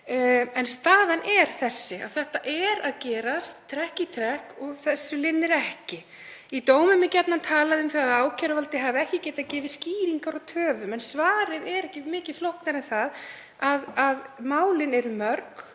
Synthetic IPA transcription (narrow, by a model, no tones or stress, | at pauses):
ɛnst̪aːðanʔɛɾ̥θɛsːɪa̰ðθɛht̪aʔɛɾaðcɛːɾast̪ʰːɾɛhcit̪ʰɾɛhkɔθɛsːʏlɪnːɪɾɛhcɪ | it̪oːwmʏmɪcɛt̪nant̪ʰaːlaðʏmθaðaðaːwcʰœɾvalt̪ɪɦaːvɪɛhcɪcɛːjt̪acɛːvɪsciːɾiŋkaɾaðt̪ʰœːvʏmɛnsvaːɾɪðɛɾɛhcɪmɪːcɪð̥flohknaɾɛnθað | aðaðmaːwlɪnɛɾʏmœɾk